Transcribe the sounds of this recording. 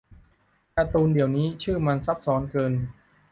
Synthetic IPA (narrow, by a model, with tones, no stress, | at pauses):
ka˧t̪uː˧ndi˨˩əwniː˦˥t͡ɕʰɯː˥˩ma˧nsa˦˥p̚sɔː˦˥nkɤː˧n